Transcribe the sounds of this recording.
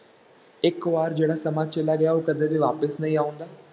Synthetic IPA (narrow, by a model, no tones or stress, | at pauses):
ɪkʋaːɾd͡ʒeːɽaːsəmaːt͡ʃəlaːɡɪaːoːkəd̪eːb̪iːʋaːpəsnəĩːaːʊ̃nd̪aː